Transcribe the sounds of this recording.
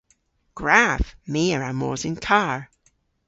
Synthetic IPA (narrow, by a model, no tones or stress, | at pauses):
ɡ̥ɹavmiəɹamɔ̰ːzɪ̃nkʰaɹ